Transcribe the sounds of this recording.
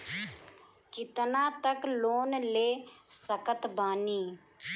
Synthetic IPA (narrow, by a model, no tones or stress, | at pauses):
kɪt̪nãːt̪əkloːnleːsəkət̪baːniː